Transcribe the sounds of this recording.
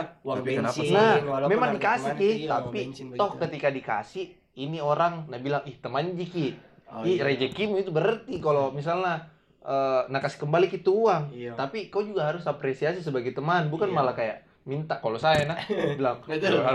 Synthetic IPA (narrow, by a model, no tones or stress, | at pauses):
namemaŋdikasɪkɪt̪apit̪ɔhkət̪ikadika̰sɪ | inioɾaŋnahbilaŋɪht̪əmand͡ʒikɪ | iɾed͡ʒəkimuit̪ubəɾərt̪ikalomis̬alna | ʔəːnakasɪ̥kəmbalikit̪uuaŋt̪apikad͡ʒuɡaɦaɾʊsapɾesiasis̬əbaɡɛjt̪əmanbukanmalakajaʔ | mint̪akalosajanabilaŋa